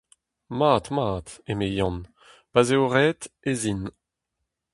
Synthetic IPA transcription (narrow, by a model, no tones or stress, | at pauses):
maːt̪maːt̪emejɑ̃n | pazeoʁɛːt̪ezin